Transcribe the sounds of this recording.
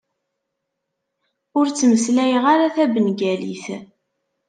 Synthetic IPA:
ʊɾt͡sːməslæjəʁaɾaθæbənɡælḭθ

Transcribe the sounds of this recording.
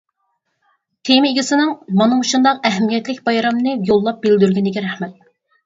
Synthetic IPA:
t̪ʰemɪiɡʲisɪnɨŋmɑnɨŋuʃund̪ɑqɛɦɛmijɛt̪lɪkʲbɑjɾɑmnɨjolˠːɑp̚bɪld̪yɾɡʲinɪɡʲɛɾæhmɛt̪̚

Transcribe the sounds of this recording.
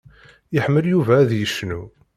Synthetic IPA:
jəħmːəljuvæːðjəʃnu

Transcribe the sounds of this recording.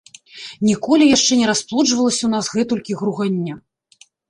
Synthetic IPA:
nʲikɔlʲijaʂt͡ʂɛnʲɛɾasplˠɔd͡ʐvɐlˠɐsʲɐunasɣɛt̪ulʲkʲiɣɾuɣanʲːa

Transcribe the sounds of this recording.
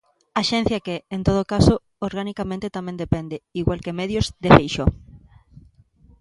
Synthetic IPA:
aʃɛn̟θjɐkeːnt̪oð̞okaso | oɾɣanikamẽnt̪et̪amẽnd̪epend̪eiɣwalkemɛðjozd̪efejʃo

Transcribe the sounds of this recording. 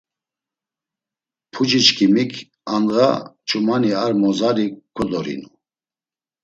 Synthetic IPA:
pʰud͡ʒit͡ʃkʰimikʰ | anʁa̰t͡ʃʰʼumaniaɾmɔzaɾikʰɔd̪ɔɾḭnu

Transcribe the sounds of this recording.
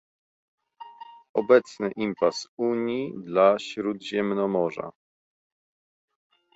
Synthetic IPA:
ɔbɛt̪snɘʔimpasuɲjid̪laɕɾud̪ʑɛmnɔmɔʐa̰

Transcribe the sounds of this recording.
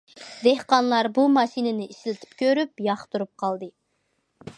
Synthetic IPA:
d̪ehqɑnlˠɑɾbumɑʃinɪnɪiʃɪlɪt̪ʰɪ̥p̚kʲøɾypjɑχt̪uɾup̚qʰɑlˠd̪ɨ

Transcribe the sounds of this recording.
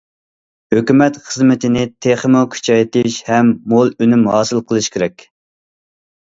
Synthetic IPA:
høkʲymɛt̪χəzmɪt̪ʰɪnɪt̪ʰeχəmʊkʲʰy̥t͡ʃʰɑjt̪ɪʃhɛmːolˠønymhɑːsɨlˠqʰəlˠɨʃkʲʰeɾɛkʲ

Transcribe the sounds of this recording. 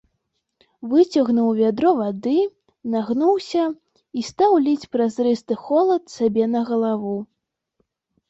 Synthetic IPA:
vɨt͡sʲɐɣnuwvʲad̪ɾɔvad̪ɨ | naɣnuwsʲɐ | ist̪awlʲit͡sʲpɾazɾɨst̪ɨxɔlˠɐt̪sabʲɛnɐɣɐlˠavu

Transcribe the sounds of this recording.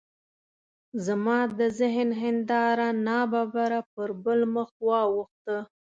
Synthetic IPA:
zamɑd̪əzɪɦnɦɪnd̪ɑɾanɑbɑbaɾapəɾbəlməxwɑwəxt̪ə

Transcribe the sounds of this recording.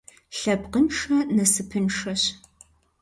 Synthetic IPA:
ɬɐbqənʂɐnɐsɨpʰɨnʂɐɕ

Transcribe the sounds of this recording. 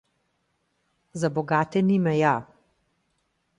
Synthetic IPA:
zabɔɡaːt̪ɛnimɛja

